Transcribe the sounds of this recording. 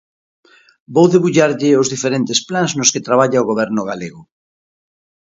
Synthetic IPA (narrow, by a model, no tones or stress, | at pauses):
bowðeβuʎaɾʎɪozðifeɾent̪esplaŋznoskɪt̪ɾaβ̞aʎaoɣoβ̞ɛɾnʊɣaleɣʊ